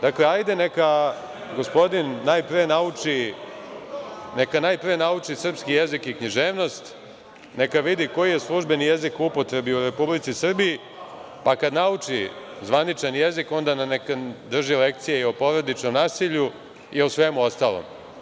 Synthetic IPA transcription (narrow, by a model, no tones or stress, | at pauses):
d̪akleajd̪eneka | ɡo̞spo̞d̪inːajpɾienaut͡ʂi | nekanaːjpɾijenaut͡ʂisr̩pskije̞zikikɲiʒe̞ːʋno̞st̪ | ne̞kaʋid̪iko̞jijeslˠuʒbe̞nije̞zikupo̞t̪ɾe̞biuɾe̞publit̪sisr̩biji | pakad̪naut͡ʂizʋanit͡ʃanje̞ziko̞nd̪ananekad̪r̩ʒile̞k̚t̪sijeiopo̞ɾad̪it͡ʃno̞mnaːsiʎu | iosʋe̞muo̞st̪alˠo̰m